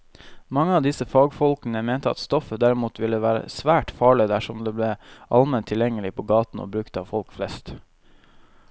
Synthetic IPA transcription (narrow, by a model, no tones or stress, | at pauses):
mɑŋːəɑːʋd̪ɪsəfɑːɡfɔlkənəmeːnt̪əɑ̰t̪st̪ɔfəd̪æɾɪmuːt̪ʋɪlːəʋæːɾə̰sʋæːʈfɑːɭɪd̪æʃɔmd̪eːbleːʔɑlmɛnt̪ʰːɪljɛŋːəlɪpʰoːɡɑːt̪n̩o̰ːbɾʉkt̪ɑːʋfɔlkflɛst̪